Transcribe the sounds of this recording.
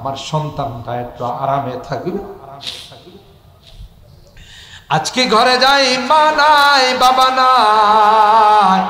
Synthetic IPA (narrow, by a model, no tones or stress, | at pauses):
amaɾʃɔnt̪and̪ajet̪ːaaɾamet̪ʰaku | k | ad͡ʒkeɡʱɔɾed͡ʒajmanajbabana | j